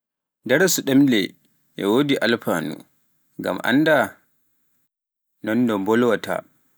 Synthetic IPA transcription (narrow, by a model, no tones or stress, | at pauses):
dɛɾsuɗɛmlɛ̰ | ʔɛ̰wodiʔalfaːnṵ | ŋɡa̰mʔa̰nːda | nɔndɔmbɔlwatʰa̰